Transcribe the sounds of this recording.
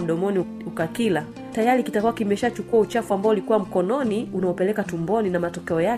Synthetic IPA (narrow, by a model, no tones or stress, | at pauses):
m̩ɗɔmɔni | ukakila | tajaɾikitakuwakimɛʃat͡ʃukuaut͡ʃafuambaɔulikuwam̩kɔnɔniunaɔpɛlɛkatumbɔninamatɔkɛɔja